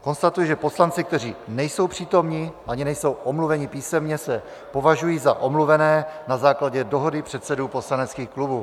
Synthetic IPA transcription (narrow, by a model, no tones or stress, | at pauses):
ko̞nst̪at̪ujɛʒɛpo̞slant͡sɪk̚t̪ɛr̝iːnɛjso̞wpr̝̥iːt̪o̞mɲɪʔaɲɪnɛjso̞wʔomluvɛɲɪpiːsɛmɲɛsɛ | po̞vaʒujiːzaʔo̞mluvɛnɛːnazaːklaɟɛdo̞ɦo̞dɪpr̥ɛt̪sɛduːpo̞slanɛt͡skiːxklubuː